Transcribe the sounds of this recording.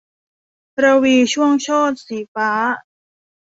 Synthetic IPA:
ɾa˧wiː˧t͡ɕʰu˥˩əŋt͡ɕʰɔː˥˩t̪̚siː˩˦faː˦˥

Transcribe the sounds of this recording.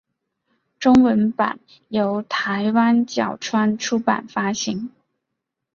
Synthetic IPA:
ʈ͡ʂʊ˥ŋwə˧˥npa̰˨˩˦n | jo˧˥ʊt̪ʰa˧˥ɪwa˥nt͡ɕjɑ̰˨˩ʊʈ͡ʂʰwa˥nʈ͡ʂʰu˥pa̰˨˩nfa˥ɕi˧˥ŋ

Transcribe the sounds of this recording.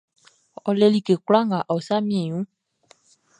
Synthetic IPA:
ɔ˧lɛ˧li˦˧ke˨kla˦ŋã˨ʔa˨o˨sa˦mĩ˦ɛ˨jũ˨˦

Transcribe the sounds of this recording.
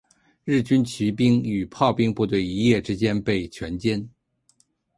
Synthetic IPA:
ɻɻ̩˥˩t͡ɕy˥nt͡ɕʰi˧˥pi˥ŋy˨˩pʰɑ˥˧ʊpi˥ŋpu˥˧t̪̬we˥˩ɪi˧˥jɛ˥˩ʈ͡ʂɻ̩˥t͡ɕjɛ˥npe˥˩ɪt͡ɕʰɥɛ˧˥nt͡ɕjɛ˥n

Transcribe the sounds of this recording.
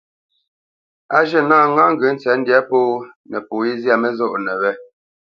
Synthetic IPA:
a˦ʒə˦˨naː˦˨ŋa˦ŋ̩˨ɡə˨˦n̩˦t͡sɛ˨˦n̩˦djɛ˦poː˦ | nɛ˨po˨i˦za˦˨mɛ˦zɔ˦ʔnɛ˨wɛ˦

